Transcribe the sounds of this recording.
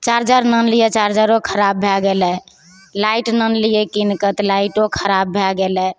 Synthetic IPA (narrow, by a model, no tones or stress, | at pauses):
t͡ʃaɾd͡ʒəɾnənlijet͡ʃaɾd͡ʒaɾokʰəɾabːʱɛɡelɛ | laiʈnənlijekinkət̪laiʈokʰəɾabːʱɛɡelɛ